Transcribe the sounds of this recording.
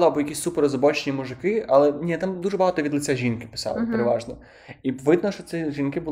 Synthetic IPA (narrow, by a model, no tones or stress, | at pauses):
lˠɪɐbɔjɐkʲisʲsupeɾɔzɔbɔt͡ʃnʲimuʐɪkɪɐlˠɛnʲit̪amd̪uʐɛbɑɦaɑt̪ɔʋʲid̪lˠɪt͡sʲaʒʲinkɪ̥pɪ̥sɑ̰lˠɪ̰peɾeʋɑʒnɔ | iʋɪd̪nɔʃt͡ʃɔt̪ɛʒʲinkɪbʊl